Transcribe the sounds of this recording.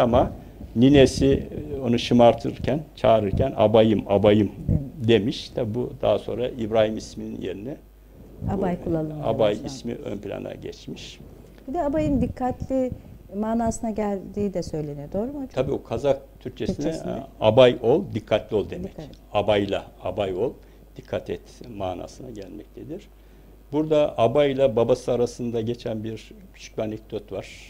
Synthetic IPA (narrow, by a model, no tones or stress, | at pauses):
ama | ninesio̞nuʃɯmaɾt̪ʰɯɯɾcʰænt͡ʃʰaːɾɯɾcʰæna̰bajɯmabajɯmd̪e̞miʃt̪ʰabibud̪a̰ɦaso̞̰nɾaibɾaːhimisminḭnje̞ɾinɛ | abajkulˠːalˠɯa̰bajismḭʔø̰npʰilʲa̰na̰ɟɛ̰t͡ʃmiʃ | b̥id̪ɛabajɯnd̪ikʰːat̪lʲimaːnaːsɯnaɟælʲd̪iːd̪ɛsø̞jlʲenijod̪o̞ːɾumaabiːokʰazak̚t̪ʰyɾc̚t͡ʃʰesinɛsabajo̞lˠd̪ikʰːat̪lʲio̞lˠd̪emɛc | abajlˠa̰abajo̞lˠ | d̪̥ikʰːat̪ʰɛt̪maːna̰ːsɯnaɟælʲmɛc̚t̪ʰed̪iɾ̥ | buɾd̪aʔabajlʲˠababasɯaɾasɯnd̪aɟet͡ʃʰænbiɾcʰy̥t͡ʃʰy̥c̚lʲianec̚d̪o̞t̪vaɾ̥